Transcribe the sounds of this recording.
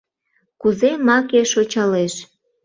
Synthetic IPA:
kuzemɑkeʃot͡ɕɑleʃ

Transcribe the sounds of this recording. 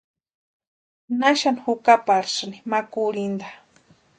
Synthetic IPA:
naʃanxʊkapaɾsnimakʊɾɪnd̪a

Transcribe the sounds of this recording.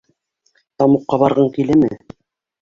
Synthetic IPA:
t̪ɑmuqːɑβɑɾʁɤŋkilɘmɘ̰

